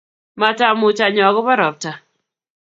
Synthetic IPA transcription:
ma˨ta˨mʊ˨t͡ʃa˨ɲɔ˨ɣɔ˦ba˦ɾɔ˨p̚ta˨

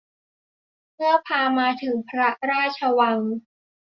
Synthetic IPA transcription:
mɯ˥˩ɐpʰaː˧maː˧t̪ʰɯ˨˩˦ŋpʰɾa˦˥ɾaː˥˩t̚t͡ɕʰə˧wa˧ŋ

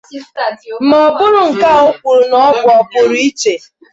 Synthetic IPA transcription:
m̩˦mɔ˨bʊ˦ɾʊ˨ŋ̩˨ka˦˨o˦k͡pu˨ɾʊ˨nɔ˦bʊ˨ɔ˨bʊ˨ɾʊ˦i˦t͡ʃe˨

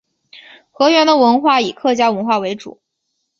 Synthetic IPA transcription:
xɤ˧˥ɥɛ˧˥nd̪ə˧˨wə˧˥nxwa˥˩i˨˩kʰɤ˥˩t͡ɕja˥wə˧˥nxwa˥˩we˧˥ɪʈ͡ʂṵ˨˩˦

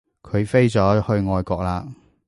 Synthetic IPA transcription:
kʰɵ˨˧ɥfe˥jt͡sɔː˨˥hɵ˧ɥŋɔː˧jkɔː˧k̚laː˧

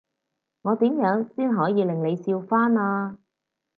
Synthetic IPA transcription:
ŋɔː˨˧t̪iː˨˥mjœː˨˥ŋsiː˥nɦɔː˨˥jiː˨˧lɪ˨˩ŋle˨˧jsiː˧wfaː˥naː˧

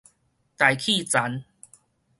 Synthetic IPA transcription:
t̪a˨˩jkʰi˥˧˨t͡sa˨˦n

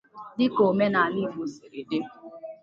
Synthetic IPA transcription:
dɪ˦ko˨me˦na˨ni˦ɦʊ˨si˨ɾe˨de˦

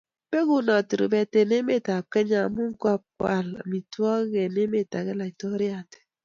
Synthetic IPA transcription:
pe˦ku˦na˨ti˨ɾḭ˨bɛ˨te˨ne˦me˦˨ta˨kɛ˦ɲa˨mu˦ŋ˦ka˦p̚kwa̰˨la̰˨mi˨tu˦ɔ˦ɣe˨ne˦me˦˨ta˨ɡɛ˦la˨i˨tɔ˦ɾi˦a˨tɛ̥˨

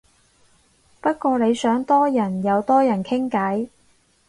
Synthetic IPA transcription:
pɐ˥t̚kʷɔː˧ne˨˧jsœː˨˥ŋt̪ɔː˥jɐ˨˩njɐ˨˧wt̪ɔː˥jɐ˨˩nkʰɪ˥ŋkɐ˨˥j

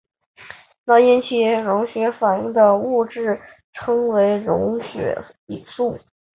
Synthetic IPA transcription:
na˥˩i˥nt͡ɕʰi˥˩ɻʊ˧˥ŋɕɥɛ˧˥fa˨˩ni˥˩ŋd̪ə˨u˥˧ʈ͡ʂɻ̩˥˩ | ʈ͡ʂʰɤ˥ŋwe˧˥ɪɻʊ˧˥ŋɕɥɛ̰˧˥ | i˨˩su˥˩

